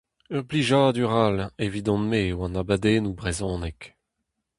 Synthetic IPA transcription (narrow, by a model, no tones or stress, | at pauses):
œʁpliʒaːd̪yʁalevid̪ɔ̃nmeːwɑ̃nabad̪eːnubʁezɔ̃ːnɛk